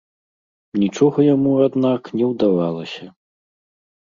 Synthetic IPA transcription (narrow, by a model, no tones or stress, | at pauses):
nʲit͡ʂɔɣɐjamuad̪naknʲɛwd̪avalˠɐsʲɐ